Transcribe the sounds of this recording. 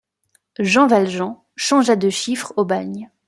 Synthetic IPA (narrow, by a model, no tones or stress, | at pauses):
ʒɑ̃valʒɑ̃ | ʃɑ̃ʒad̪əʃifχobaɲ